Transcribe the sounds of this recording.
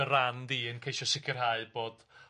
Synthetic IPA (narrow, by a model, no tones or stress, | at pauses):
əɾandiːənkʰejʃɔsɪkʰɪrhaɨb̥oːd̥